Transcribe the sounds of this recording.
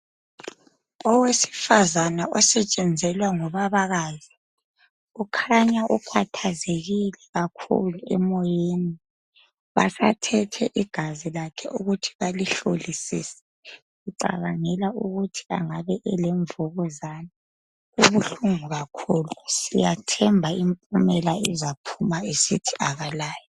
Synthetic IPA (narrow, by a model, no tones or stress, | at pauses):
ɔwesi̥fazanaɔsɛt͡ʃʼɛnd͡zʱɛlwaŋɔβaβaɣazi | ukʰaɲaʔupʰatʰazeɣilɛɣakʰṵluɛ̰mɔjeni | βa̰satʰɛtʰɛʔiɡ̥ʱazilakʰɛʔṵɣutʰi̥βaliɬolisḭːsɛ̥ | ɣuǀa̰βaŋɛlaʔuɣutʰi̥a̰ŋaβɛʔɛlɛɱvuɣɔzana | ɣuβuɬuŋuɣakʰuːlusijatʰɛmbʱaimpʼumɛlaɛzapʰumaesitʰi̥ʔaɣalaːjɔ